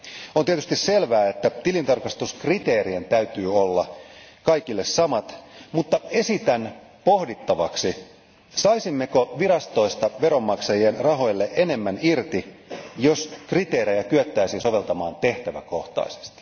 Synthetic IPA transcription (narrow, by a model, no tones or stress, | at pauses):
ont̪iet̪yst̪isselʋæːet̪ːæt̪ilint̪ɑrkɑst̪uskrit̪eːrient̪æyt̪yːolːɑkɑijkilːessɑmɑt̪mut̪ːɑesit̪æn | pohdit̪ːɑʋɑksi | sɑisimːekoʋiɾɑst̪o̞ist̪ɑʋeɾo̞mːɑksɑjienrɑɦo̞jlːeʔene̞mːænirt̪ijoskrit̪eːɾejækyøt̪ːæisinsoʋe̞lt̪ɑmɑːnt̪eht̪æʋæ̰koht̪ɑ̰ise̥st̪i̥